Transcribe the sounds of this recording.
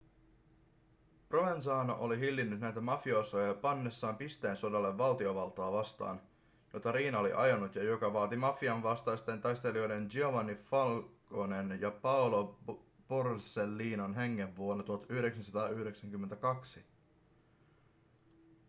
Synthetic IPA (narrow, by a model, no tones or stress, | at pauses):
proʋens̬ɑːno̰ʔoliɦilːinːyt̪næjt̪æmɑfiosojɑpɑnːe̞sːɑːmpist̪e̞ːnso̞dɑlːeʋːɑlt̪io̞ʋɑlt̪oːʋɑst̪ɑ̰ːn | jo̞t̪ɑɾiːnɑolḭʔɑjonut̪jɑjo̞kɑʋɑːt̪imɑfiɑnʋɑst̪ɑjst̪ent̪ɑjst̪e̞lio̞jde̞nd͡ʒioʋɑnifɑlkone̞njɑpɑolo | porselːiːnonɦeŋːe̞ʋːuonɑt̪uɦɑt̪yhyɾe̞ksænsɑt̪ɑːyhɾe̞ksæŋkymːent̪ækɑksi